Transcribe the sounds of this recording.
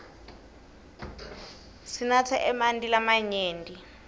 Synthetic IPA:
sinat͡sʰɛʔɛmandʼilamaɲeːndi

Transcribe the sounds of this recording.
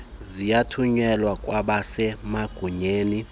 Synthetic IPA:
zijatʰuɲɛlwakʼwaɓasɛmaɡ̥ʱuɲeːni

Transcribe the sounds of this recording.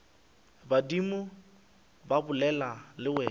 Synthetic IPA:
badimʊ | babʊlɛlalɪwɛ

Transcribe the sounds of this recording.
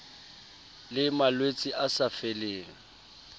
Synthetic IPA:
lɪmalwet͡sʼiʔasafeleːŋ̩

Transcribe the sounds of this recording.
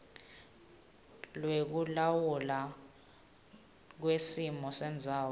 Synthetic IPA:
lwek̬ulawula | k̬wesimɔsɛnd͡zʱaːw

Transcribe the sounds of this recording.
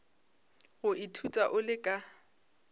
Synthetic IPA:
ɣʊʔitʰutʼaʔʊlɪkʼa

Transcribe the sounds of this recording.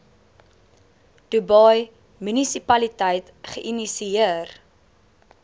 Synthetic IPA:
d̥ubɐj | mynisipɐlitəjt | χəʔinisiiər

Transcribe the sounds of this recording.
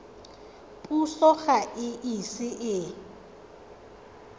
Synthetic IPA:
pʼusɔxaʔɪʔisɪʔɪ

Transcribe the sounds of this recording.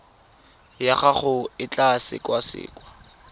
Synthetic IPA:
jaχaχʊɪt͡ɬasɪ̰kwasɪ̰ːkʼwa

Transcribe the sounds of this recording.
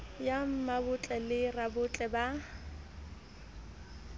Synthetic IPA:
jam̩mabʊt͡ɬʼɛlɪrabʊt͡ɬʼɛba

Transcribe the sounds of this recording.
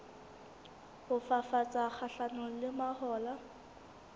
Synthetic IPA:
hʊfafat͡sʼak͡xʰaɬanɔlɪmahɔːla

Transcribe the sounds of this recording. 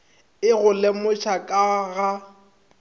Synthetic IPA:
ɪɣʊlɛmʊt͡ʃʰakʼaɣa

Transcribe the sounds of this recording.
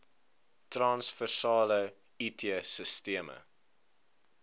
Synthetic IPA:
trɑnsfərsɑːlə | itʰeəsəstiəmə̰

